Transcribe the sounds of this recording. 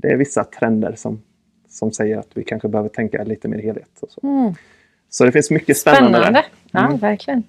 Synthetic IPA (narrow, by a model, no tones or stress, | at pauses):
d̪̥ɛæ̰ɾvɪsːat̪ʰɾɛnd̪ə̰ɾʂɔ̰m | sɔmsɛjːəɾat̪vɪkʰanɧəbɛhøːvəʈʰɛŋka̰liːt̪əmḛːɾheːlhḛːt̪ʰɔsɔ | sɔd̪ɛfɪnsmʏkːəspɛnːand̪əd̪æ̰ɾd̪ə | væɾkʰlɪən